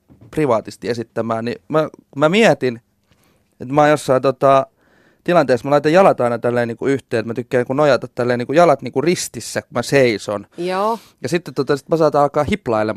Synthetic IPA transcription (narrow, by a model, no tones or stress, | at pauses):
priʋɑːt̪ist̪iesit̪ːæmæːnnimækumæmiæt̪in | et̪mɑːjosːɑint̪ot̪ɑ | t̪ilɑnt̪eːsmælɑit̪ojɑlɑt̪ɑinɑt̪ælːeːniːŋkuyht̪eːet̪mæt̪ykːæːkunojɑt̪ɑt̪t̪ːælːeːniːŋkujɑlɑt̪niːŋkurist̪isːækumæseiso̰njo | jɑsit̪ːet̪ːot̪ɑsi̥t̪mæsɑːt̪ɑːɑlkɑːhiplɑilːe